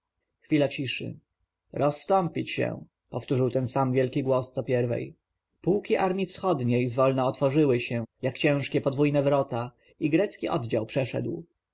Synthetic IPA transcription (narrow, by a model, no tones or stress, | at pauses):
xfʲilat͡ɕiʂɘ̰ | ɾɔsːt̪ɔmpʲit͡ɕɕɛ̰ | pɔft̪uʐɘwt̪ɛnsamvʲjɛlkʲiɡwɔst̪ɔpʲjɛɾvɛ̰j | puwkʲiʔaɾmʲjifsxɔd̪ɲejzvɔlnɛɔt̪fɔʐɘwɘɕɛjakt͡ɕɛ̃ʂkʲɛpɔd̪vujnɛvɾɔt̪a | iɡɾɛt̪skʲiʔɔ̰d̪d͡ʑawpʂɛʂɛ̰d̪w